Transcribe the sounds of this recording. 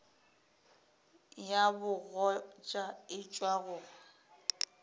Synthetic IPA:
jabʊɣɔt͡ʃʼaɪt͡ʃʼwaɣʊːɣa

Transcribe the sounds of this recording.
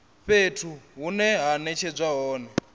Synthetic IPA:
ɸetʰuɦunɛɦanɛt͡ʃʰɛd͡zʷwaɦɔːnɛ

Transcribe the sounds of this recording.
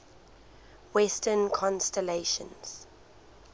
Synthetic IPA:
wɛstənkʰɔ̃nstɛleʃə̰̃nz̥

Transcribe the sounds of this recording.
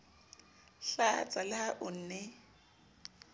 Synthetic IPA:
ɬat͡sʼalɪaʔʊn̩ːnɛ

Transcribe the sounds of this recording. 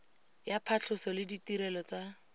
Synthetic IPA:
japʰaɬʰʊsɔlɪditiɾɛlɔt͡sa

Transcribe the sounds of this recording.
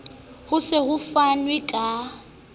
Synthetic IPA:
hʊsɪɣʊfanwɪkʼa

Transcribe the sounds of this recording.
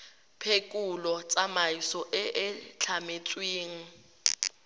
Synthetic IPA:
pʰekʼulɔt͡sʼamaisɔʔɪʔɪt͡ɬʰamet͡sʼweːŋ̩

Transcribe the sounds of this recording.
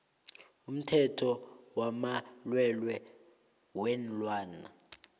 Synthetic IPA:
um̩tʰɛtʰɔwamalwɛlwɛ | wɛnlwaːna̰

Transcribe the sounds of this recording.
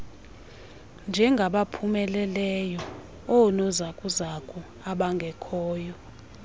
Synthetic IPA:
nd͡ʒʱɛŋɡʱaɓapʰumɛlɛlɛjɔ | ɔnɔzakʼuzakʼu | aɓaŋɡʱɛkʰɔːjɔ

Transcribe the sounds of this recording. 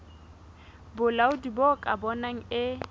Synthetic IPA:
bʊlaʊdibokʼabɔnaŋ̩ɪ

